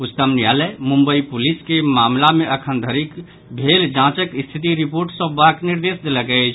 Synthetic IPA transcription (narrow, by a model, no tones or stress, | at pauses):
ʊt̪əmnjaləmũmbəipuliskemaːmlamẽʔəkʰənd̪ʱəɾik | bʱeld͡ʒãt͡ʃəkst̪ʰit̪̬iɾipoːɾʈsə̃ːakniɾd̪eːsd̪eləɡət͡ʃʰ